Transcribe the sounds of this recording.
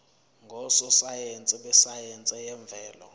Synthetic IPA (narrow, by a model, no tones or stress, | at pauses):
ŋɡʱɔsɔsajeɛnt͡sʼɛɓɛsajɛnt͡sʼɛjɛɱb̪vʱɛːlɔ̰